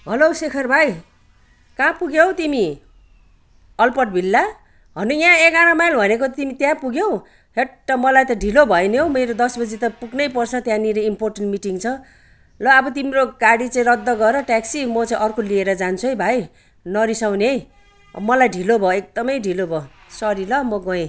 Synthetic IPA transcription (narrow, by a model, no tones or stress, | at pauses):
ɦʌlosekʰʌrbʱaj | kãpuɡjewt̪imi | ʌlpʌʈ̚bʱilːa | ɦʌnujãekaɾʌmajlbʱʌnekot̪imit̪jãpuɡjow | ɦeʈːʌmʌlajt̪ʌɖʱilobʱʌjneɦowmeɾod̪ʌsbʌd͡zit̪ʌpuɡnʌjpʌrt͡sʰʌt̪jãniɾeimporʈenʈmiʈiŋt͡sʰʌ | lʌːbʌt̪imɾoɡaɽit͡saĩɾʌd̪ʱːʌɡʌeɾʌʈaksimʌt͡saĩʔʌrkʰolieɾʌd͡zant͡sʰuʌjbʱaj | nʌɾisawnej | mʌlajɖʱilobʱʌek̚d̪ʌmʌjɖʱilobʱʌ | sʌɾilʌmʌɡʌẽ